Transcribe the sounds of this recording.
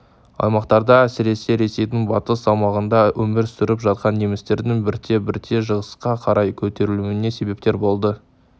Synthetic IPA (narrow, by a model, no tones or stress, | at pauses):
ɑ̰jmɑqt̪ɑɾd̪ɑæsɪɾe̞se̞ɾe̞se̞jd̪ɪŋbɑt̪əsɑwmɑʁənd̪ɑwɵmɪɾsʏɾɪpʒɑt̪̚qɑnːemɪst̪e̞ɾd̪ɪŋbɪɾt̪ʰe̞bɪɾt̪ʰe̞ʒəʁəsqɑqʰɑɾʔɑjkʲʰɵt̪e̞ɾɪluwɪne̞se̞be̞p̚t̪e̞ɾbo̞lˠd̪ə